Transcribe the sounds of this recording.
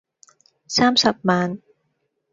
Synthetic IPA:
saː˥˩˨msa˨˩p̚maː˨˦˥n

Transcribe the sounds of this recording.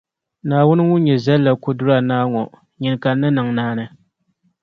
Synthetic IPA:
naː˨wʊ˦nɨ˦ŋʊ˦ɲɛ˨za˦lːa˨ko˦dʊ˦ɾa˨naː˦ŋɔ˨ | ɲɪ˨n˨ka˨˦nːɨ˦nɨ˨ŋnaː˦nɨ˦

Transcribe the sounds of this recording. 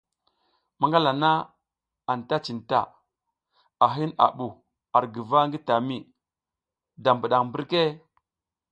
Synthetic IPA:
ma˦ŋɡa˦la˨na˦ | a˨nta˦t͡ʃi˨nta̰˨ | a˨ɦi˦na̰˨ɓu˨ | a˨ɾɡə˨va˦ŋɡi˦ta˨mi˦˨ | da˨mbu˨ɗa˨ŋmbu˦ɾke˦

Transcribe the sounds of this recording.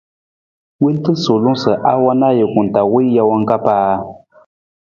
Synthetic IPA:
wi˦n˦tɨ˦so˨lʊ˦sɨ˨ʔa˦wa˦na˦jɛ˨kʊ˨n˨ta˨wi˦ja˦wa˦ŋ˦ka˦paː˦

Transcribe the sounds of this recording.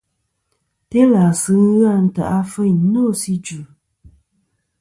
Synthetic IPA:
te˦la˨sɨ˨˦ŋ˦ɣa˦˨n̩˦ta̰˨ʔa˦fɨ˦ɲ˦no˦˨si˦d͡ʒu˨

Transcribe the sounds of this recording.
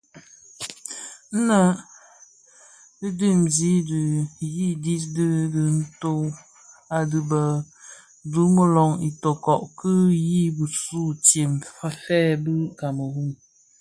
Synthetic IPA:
n̩˦na˦˨ | dɨ˦di˦˨mzi˦dɨ˨ji˦di˦dɨ˦dɨ˨n̩˦to˦w | a˨dɨ˨bə˨ | du˦mə˦lɔ˨ŋi˨tɔ˨kɔ˨ʔkɨ˦ji˦bu˨su˦tje˨mfa˦fɛː˦˨bɨ˦ka˨mə˨hu˦˨ŋ

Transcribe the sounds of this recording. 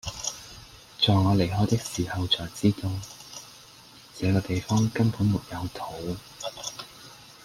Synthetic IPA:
t͡ʃɔː˨jŋɔː˨˧le˨˩jɦɔː˨˥jt̪ɪ˥k̚siː˨˩hɐ˨wt͡sɔː˨jt͡siː˥t̪ʊ˨ŋ | t͡sɛː˨˧kɔː˧t̪e˨jfɔː˥ŋkɐ˥npuː˨˥nmʊ˨k̚jɐ˨˧wt̪ʰo˨˥w

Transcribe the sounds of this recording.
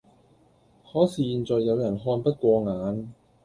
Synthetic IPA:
hɔː˨˥siː˧˩ji˧nt͡sɔː˨˧jːɐ˨˧wjɐ˨˩nɦɔː˧npɐ˥t̚kʷwɔː˧ŋaː˨˥n

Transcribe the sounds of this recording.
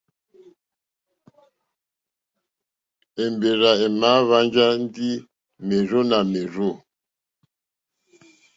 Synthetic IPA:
e˨mbe˨ɾa˨e˨ma˦βa˦nd͡ʒa˦n˦di˦ | me˨ɾo˦na˨me˨ɾo˦˨

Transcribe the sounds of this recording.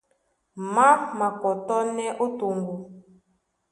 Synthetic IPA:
ma˦ma˨kɔ˨tɔ˦nɛ˦ʔo˦to˨ŋɡo˨

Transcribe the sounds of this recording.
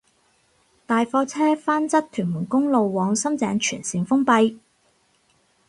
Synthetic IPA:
t̪aː˨jfɔː˧t͡sʰɛː˥faː˥nt͡sɐ˥t̚t̪ʰyː˨˩nmuː˨˩nkʊ˥ŋlo˨wːɔː˨˧ŋsɐ˥mt͡sɛ̰ː˨˧ŋt͡ʃʰyː˨˩nsiː˨˧nfʊ˥ŋpɐ˧j

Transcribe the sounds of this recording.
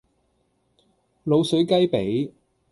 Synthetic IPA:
lo˨˧wsɵ˨˥ɥkɐ˥jpe˨˥j

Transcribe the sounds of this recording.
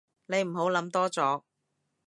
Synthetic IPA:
ne˨˧jm̩˨˩ɦo˨˥wlɐ˨˥mt̪ɔː˥t͡sɔː˨˥k̚

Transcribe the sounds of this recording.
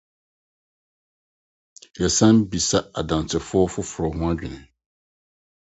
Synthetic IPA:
jɛ˨sã˦m˦bi˨sa˦a̰˨dã˨n˨t͡sʰɪ˨fʊ˦ɔ˦fʊ˦fʊ˨ɾɔ˨ɦʊ̃˦a˦d͡ʑᶣɪ˨nɪ̃˨

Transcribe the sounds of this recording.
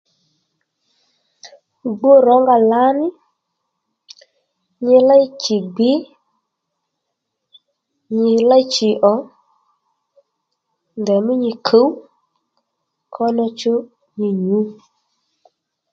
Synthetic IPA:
ɡ͡bo˦ɾɔ˨˦ŋɡa˧la˨˦nɪ˦ | ɲɪ˧la˦jt͡ʃi˨ɡ͡bɪ˨˦ | ɲɪ˧la˦jt͡ʃi˨ʔɔ˨˦ | ndɛ˨mi˦ɲi˧kʰə˨˦w | kʰɔ˦nɔ˧t͡ʃu˦ | ɲi˧ɲu˨˦

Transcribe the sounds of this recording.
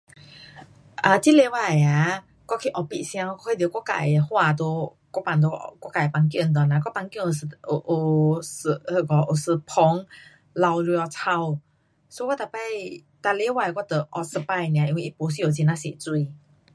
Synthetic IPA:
ʔa˧˩t͡ɕi˦le˧wa˧˩˨a˨˧˦ | kwɔ˧˦kʰi˧ʔɔ˧˩pḭ˧ʔsj̃ã˧ŋ˧kɔ˧˦kʰa˧˨d̪jkʷɔ˧˥ka̰˧˨hwa˧t̪̬o˧ | kʷɔ˧˥˦pa˨˩nt̪̬o̰˧kwa˧˥˦ka˨i˨pa˧ŋk̬jt̪̬wa˨na˧k̬ɔ˧˥˦pa˧ŋkjo˨so˨ʔo˨˩shə˧˩kɔ˧˩ʔo˨˩sɨ˧pʰɔ˧˦ŋ | la˧wlu˧ɔ˧˩t͡sʰa˧w | so˧˦kwa˥˦t̪a˨˩pa˥˧˨j | t̪a˧˨le˧˦wa˧˨kwa˦˧˦t̪ə˨˩ʔɔ˧˩sə˧pa˧jnĩ˨ã˨ʔi˧wi˧ʔi˦po˨˧˦s̬i˧˨o˨˩t͡ɕi˧na˧˦sḛ˨t͡swi˧

